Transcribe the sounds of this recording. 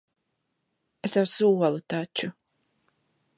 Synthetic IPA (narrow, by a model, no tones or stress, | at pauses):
esd̪awsuɔlˠut̪at͡ʃu